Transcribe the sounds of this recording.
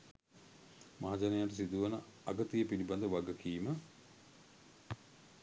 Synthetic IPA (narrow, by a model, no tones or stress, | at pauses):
maɦad͡ʒanejaʈ̬əsid̪uʋənəaɡət̪ijəpiliband̪əʋaɡəkiːmə